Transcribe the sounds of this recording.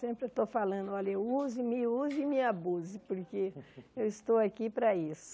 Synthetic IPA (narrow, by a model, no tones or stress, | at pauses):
sẽmpɾewt̪owfalɐ̃nd̪ʊɔʎɐewuzʊimɪuzʊimĩabuzɪpoɾkeewɪst̪owakipɾɐisʊ̥